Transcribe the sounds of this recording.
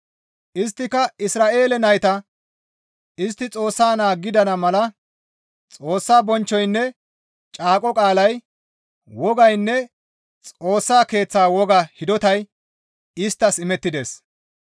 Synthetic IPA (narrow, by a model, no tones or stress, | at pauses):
ʔɪst̪ːɪkɐɪsɾaːʔe̞ːlɛnɐjt̪ɐ | ɪst̪ːɪt͡sʼo̞ːsːaːnaːɡːɪd̪ɐnɐmɐlɐ | t͡sʼo̞ːsːaːbɔnt͡ʃːɔjnːɛ | t͡ʃʼaːkʼɔkʼaːlɐj | wɔɡɐjnːɛ | t͡sʼo̞ːsːaːke̞ːt͡sːaːwɔɡɐhɪd̪ɔt̪ɐj | ɪst̪ːɐsɪmɛt̪ːɪd̪es